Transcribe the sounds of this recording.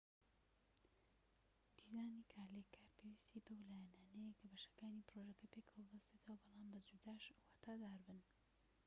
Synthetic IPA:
d̪̥izaːnikʰaːlekʰːaːɾpʰewist̪ʰibɐwlaːjɛnaːnejekʰɐbɐʃɐ̥kaːnipɾoʒɐkɐpekʰɐwɐbɐst̪et̪ʰɐwɐbɑlˠaːmbɐd͡ʒud̪aːʃwaːt̪ʰaːd̪aːɾbɨn

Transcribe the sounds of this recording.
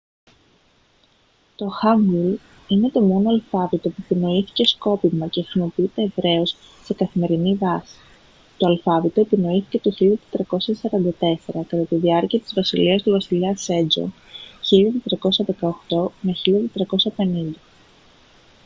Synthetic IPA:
t̪o̞xɐŋɡul | ine̞t̪o̞mo̞noɐlfɐvit̪o̞puepino̞iθi̥ce̞sko̞pimɐcexɾimo̞piit̪e̞ːvɾe̞o̞sː | e̞kɐθime̞ɾinivɐsi̥ | t̪o̞ɐlfɐvit̪o̞epino̞iθi̥ce̞t̪oçiʎɐt̪e̥t̪ɾɐko̞sɐsɐɾɐnd̪ɐt̪e̞se̞ɾɐkɐt̪ɐt̪iðiɐɾciɐt̪i̥zvɐsiliɐst̪uvɐsiliɐse̞d͡zo̰ | çiʎɐt̪et̪ɾɐko̞sɐðe̞kɐoxt̪o̞meçiʎɐt̪et̪ɾɐko̞sɐpe̞nind̪ɐ

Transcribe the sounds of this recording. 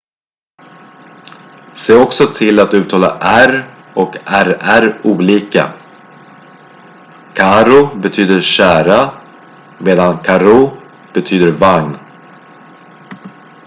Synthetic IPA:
seːɾɔksɔt̪ʰɪlat̪ʉ̟ːt̪ʰɑːla̰ʔæɾ | ɔkæɾæɾuːliːka̰ | kʰaɾʊbɛt̪ʰyːd̪əɾɕæːɾa | meːd̪ankʰaɾu | b̥ɛt̪ʰyːd̪əɾvaŋn

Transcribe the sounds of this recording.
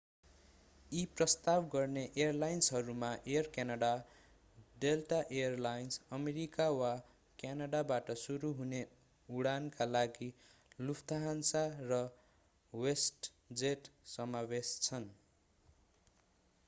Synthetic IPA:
iprʌst̪abɡʌrneʔejʌrlajnsɦʌɾumaʔejʌrkjanaɽa | ɖeltaʔejʌrlajnsʌmeɾikawa | kjanaɽabaʈʌsuɾuɦune | uɽankalaɡilupʰt̪aɦansarʌ | wesʈ | d͡zeʈsʌmawest͡sʰʌn

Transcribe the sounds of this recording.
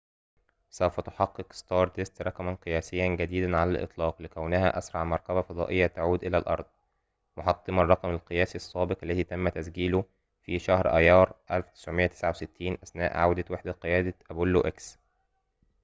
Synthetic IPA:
sæwfæt̪o̥ħɑqːeqst̪ɑːɾˤt̪est̪ɾˤɑkmænqɨjæːsɪjːænɡæd̪iːd̪ænʕalælʔɨ̰t̪ˤlɑːqlɪkæwnɪhæʔæsɾˤɑʕmɑɾˤkæbæfɑd̪ˤɑ̰ːʔejːæt̪aʕuːd̪ʔɪlælʔɑ̰ɾˤd̪ˤ | moħɑt̪ˤːɨmɑrˤːɑqmælqɨjæːsiɑsˤːɑːbeqʔælːæðiːt̪æmːæt̪æsɡiːlo | fiʃæhɾʔæ̰jːɑːɾˤʔælft̪ɪ̥sʕomejːæt̪e̥sʕawset̪ʰːiːnʔæsnæ̰ːʔʕawd̪æt̪weħd̪æqejæːd̪æʔæbʊlːoʔæks

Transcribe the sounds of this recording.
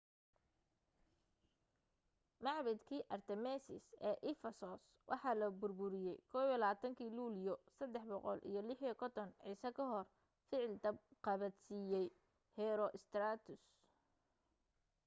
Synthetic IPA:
mɑʕbɪd̪kʰiːʔɐrt̪ʰɛmɛsɪ̰sɛːʔɪfɐsɔs | wʔɑ̰ħɑːlɐbʊrbʊɾɪjɛjkʰɔːβlaːt̪ʰɐŋkʰiːluːlijɔsɐd̪ɛħbɔqɔ̰lʔḭjɞlɪħjkʰɔt̪ʰɔnʕiːsɐkʰɐɦɔr | fɪʕɪlt̪ɐbqɑβɐd̪siːjɛj | hɛɾɔʔɪst̪raːt̪ʰʊs

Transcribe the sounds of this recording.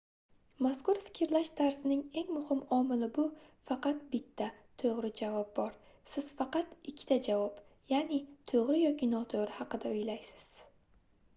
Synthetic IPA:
maskʊɾfɪ̥kʲʰɾlaʃt̪ʰaɾsɪnɪŋe̞ŋmʊhɪmɒmɪlɪbʊfɑqɑt̪̚bɪt̪ʰːat̪ʰoʁɾɪd͡ʒavɒp̚bɒɾ | sɪz̥fɑqɑt̪ɪkʲʰːɪ̥t̪ʰad͡ʒavɒp | janɪt̪ʰoʁɾɪjɒkʲʰɪnɒt̪ʰoʁɾɪhɑqɨd̪aʊjlajsɪ̥z̥

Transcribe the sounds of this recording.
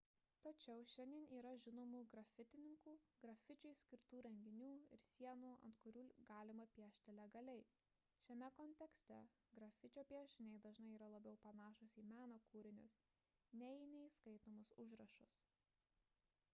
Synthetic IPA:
t̪ɐt͡ʃʲɛʊʃʲɛnʲd̪ʲiɛniːɾɐʒʲɪnoːmuːɡɾɐfʲɪt̪ʲɪnʲɪŋkuːɡɾɐfʲɪt͡ʃʲʊɪsʲkʲɪɾt̪uːɾʲɛŋʲɡʲɪnʲuːɪ̰ɾsʲiɛnuːɐ̰nt̪kʊɾʲuːɡɑːlʲɪmɐpʲiɛʃʲt̪ʲɪlʲɛɡɐlʲɛɪ | ʃʲɛmʲɛkɔnʲt̪ʲɛksʲt̪ʲɛ | ɡɾɐfʲɪt͡ʃʲoːpʲiɛʃʲɪnʲɛɪd̪ɐʒnɐɪiːɾɐlˠɐbʲɛʊpɐnɑːʃʊsʲiːmʲæːnoːkuːɾʲɪnʲʊs | nʲɛɪnʲɛɪiskɐɪt̪oːmʊsʊʒɾɐʃʊs

